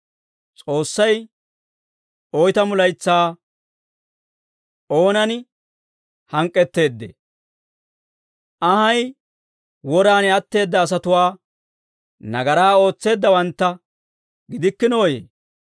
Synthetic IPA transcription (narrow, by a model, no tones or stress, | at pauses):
t͡sʼo̞ːsːɐj | ɔjt̪ɐmʊlɐjt͡sːaː | o̞ːnɐn | hɐŋkʼːɛt̪ːe̞ːd̪ːḛ | ʔɐhɐj | wɔɾaːnɛɐt̪ːe̞ːd̪ːɐːs̬ɐt̪ʊwaː | nɐɡɐɾaːo̞ːt͡sːe̞ːd̪ːɐwɐnt̪ːɐ | ɡɪd̪ɪkːɪno̞ːjḛː